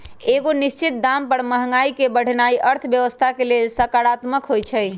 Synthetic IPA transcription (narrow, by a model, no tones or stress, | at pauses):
eɡonist͡ʃʰit̪̚d̪ampəɾməɦŋaikebəɽ̤naiʔəɾt̪ʰbjəʋəst̪ʰakelelsəkaɽat̪məkɦojt͡ʃʰəj